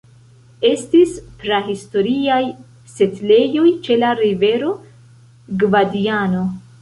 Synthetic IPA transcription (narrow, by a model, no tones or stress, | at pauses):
e̞stispɾaɦisto̞ɾiaj | se̞tle̞jo̞jt͡ʃe̞laɾive̞ɾo̞ | ɡvadiano̞